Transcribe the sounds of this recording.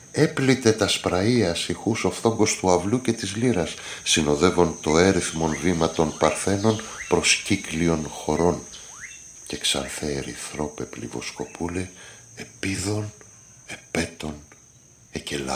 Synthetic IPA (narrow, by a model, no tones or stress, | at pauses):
e̞plit̪e̞t̪ɐspɾɐiɐsixuso̞fθo̞ŋɡo̞st̪uɐvluce̞t̪izliɾɐsː | ino̞ðe̞vo̞nt̪o̞e̞ɾiθmo̞nvimɐt̪o̞npɐɾθe̞no̞npɾo̞sciklio̞nxo̞ɾo̞n | ce̞ksɐ̰nθeɾḭθɾo̞pe̞plḭvo̞̰sko̞pʰule | epiðo̞n | e̞pe̞t̪o̞n | ecelɐ̰